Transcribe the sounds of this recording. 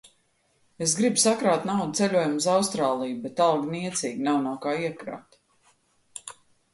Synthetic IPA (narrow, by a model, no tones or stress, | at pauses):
esɡɾibsakɾaːt̪nawd̪̚t̪selʲuɔjumuzawst̪ɾaːlˠijbet̪alˠɡniɛt̪siːɡnawnakaːiɛkɾa̰ːt̪